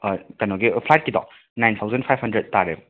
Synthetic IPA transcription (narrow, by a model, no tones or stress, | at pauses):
kɐnɔɡipʰlajt̚kidɔ̰ | najntʰawzɐntpʰajb̚hɐndɾed̚taɾebɔ